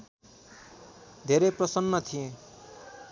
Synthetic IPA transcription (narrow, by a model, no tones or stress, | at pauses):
d̪ʱeɾeprʌsʌnːʌt̪ʰijẽ